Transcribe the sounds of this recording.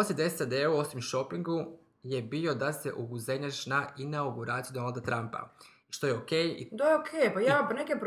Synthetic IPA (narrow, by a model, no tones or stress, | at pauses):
osʲid̪esad̪euo̞simʃo̞piŋɡu | je̞bio̞d̪ase̞ʔuɡuzeɲaʃnaʔinauɡuɾat̪siud̪o̞nald̪at̪ɾampa̰ | ʃt̪o̞jeokeːjḭd̪aokʰeːjpajaːpanekepɾ